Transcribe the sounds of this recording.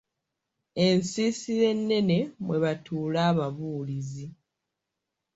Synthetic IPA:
ensiːsiɾe̞nːe̞ne̞mwe̞βatuːlaːβaβuːlizi

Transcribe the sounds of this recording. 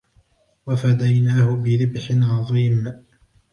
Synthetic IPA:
wafad̪ajnaːhʊbɪɾɪbħɪnʕɑðˤiːm

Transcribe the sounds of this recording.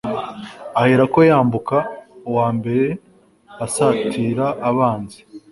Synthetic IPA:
aheɾako̞jaːmbukawaːmbe̞ɾe̞ | asatʰiːɾaʔːβaːnzi̥

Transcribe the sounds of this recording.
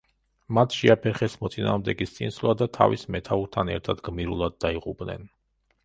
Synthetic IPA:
mat̪ʰʃɛapʰɛɾχɛsmɔt̪sʼina̰ːʁmd̪ɛɡist̪sʼḭnslˠad̪at̪ʰa̰vismɛt̪ʰauɾt̪ʰanɛ̰ɾt̪ʰad̪ɡmiɾulˠad̪̚ːaiʁʼupʼnɛ̰n

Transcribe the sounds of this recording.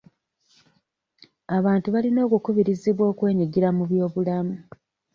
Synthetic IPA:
aβaːntuβalino̞ːkukuβiɾiziβwo̞ːkwe̞ːɲiɟiɾamuβjo̞ːβulamu

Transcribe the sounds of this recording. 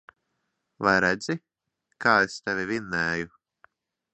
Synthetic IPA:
vajɾæd̪z̥i | kaːest̪ɛvʲivinːɛːju

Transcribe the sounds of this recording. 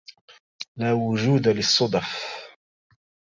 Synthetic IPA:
laːwʊʒuːd̪alɪsˤːʊd̪ħ

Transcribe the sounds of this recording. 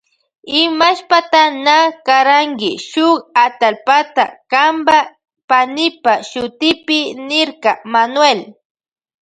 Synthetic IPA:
ɪmaʃpat̪anakaɾaŋkɪ̰ʃʊkat̪alpat̪a̰kamba | panɪpaʃʊt̪ɪpɪnɪɾkɑmanwel

